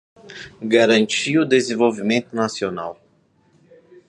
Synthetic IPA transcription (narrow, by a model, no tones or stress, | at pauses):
ɡaɾɐ̃nt͡ʃiʊd̪ezẽvowvimẽnt̪ʊnasiona̰w